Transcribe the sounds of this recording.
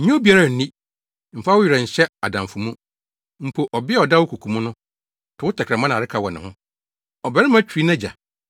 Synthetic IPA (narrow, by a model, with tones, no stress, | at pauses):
ɲĩ˦o˦bi˨a˨ɾa˨n̩˨nĩ˦ | m̩˨fa˦wʊ˦jɪ˨ɾɛ˨ɲ̩˨ɕɛ˦a˨dã˨mfʊ˨mũ˦ | m̩˨pʰo˨ʔɔ˨bɪ˦ɛ˦˨ɔ˨da˦wʊ˦kʰu˨kʰũ˨mʊ̃˦nʊ̃˦ | tʰʊ˨wʊ˦tʰɛ˨kʰɾɛ˨mã˦ñ˨ɾɪ˦kʰa˨wɔ˨nɪ̃˨hʊ̃˦ | ɔ˨bɛ˨ɾɪ˦m˦ã˦t͡ɕʰᶣɾi˦nã˦d͡ʑa̰˨